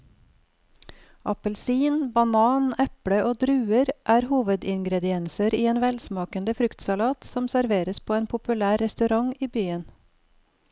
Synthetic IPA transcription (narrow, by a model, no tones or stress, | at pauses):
ʔɑpəlsiːnbɑnɑːnɛpɽəʔoːd̪ɾʉːəɾʔæːɾhuːʋəd̪ɪŋɡɾɛd̪ɪɛnsəɾiːeːnʋɛlsmɑːkənd̪əfɾʉkt̪sɑlɑːt̪sɔmsæɾʋeːɾəspʰoːeːnpʰʊpʉlæːɾɾɛst̪ʉɾɑŋiːbyːən